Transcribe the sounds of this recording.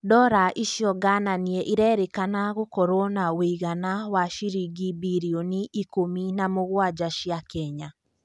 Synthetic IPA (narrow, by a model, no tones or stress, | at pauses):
dɔɾaʔiʃjɔɡananiɛʔiɾɛɾekanaɣokɔɾɔnaweiɣanawaʃiɾiɡibiɾioniʔikominamoɣwad͡ʒaʃjakɛɲa